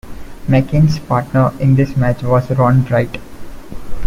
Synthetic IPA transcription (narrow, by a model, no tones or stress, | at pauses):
mɛkɪ̃nspaːɾʈnəɾɪ̃nd̪ɪsmæt͡ʃʋɔːzɾɔ̃ːnɖɾaɪʈ